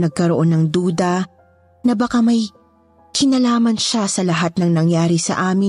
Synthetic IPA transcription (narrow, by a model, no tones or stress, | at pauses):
nɐɡ̚kɐɾoʔonːɐŋd̪uːd̪ɐ | nɐbɐkamɐj | kɪnɐlaːmɐnʃasɐlɐɦat̪̚nɐŋnɐŋjaːɾɪsɐ̰ʔaːmɪ